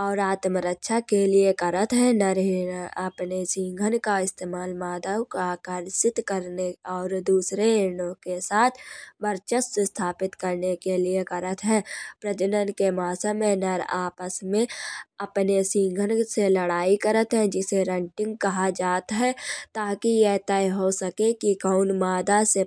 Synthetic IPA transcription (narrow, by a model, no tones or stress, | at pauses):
ɔːɾaːt̪məɾəkːʃʰakeliekɐɾət̪ɦɛ̃nəɾeəpnesĩːŋɡʱənkaɪst̪eːmaːlmaːd̪əwkakəɾsɪt̪kəɾneɔːɾd̪uːsɾeeːnõkesaːt̪ʰbəɾt͡ʃəssest̪ʰaːpɪt̪kɐɾnekeliekɐɾət̪ɦɛ̃ːpɾəd͡ʒənənkemaːsəmẽnəɾaːpəsmẽɐpnesĩːŋɡʱənselɐɽaːikɐɾət̪ɦɛ̃d͡ʒɪseɾə̃ɳʈɪ̃ŋɡ̚kɐɦad͡ʒaːt̪ɦɛt̪aːkijet̪ɛiɦosɐkekikəʊnmaːd̪ase